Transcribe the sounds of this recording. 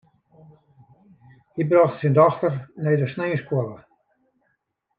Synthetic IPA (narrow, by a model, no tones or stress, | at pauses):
hibrɔxtsindɔxtərnejdəsneːəskwolə